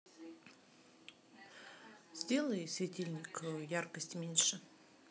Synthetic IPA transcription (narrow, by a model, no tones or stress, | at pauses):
zʲdʲe̞lˠəjsʲvʲɪt̪ʲilʲnʲɪkjarkəsʲtʲmʲenʲʂɨ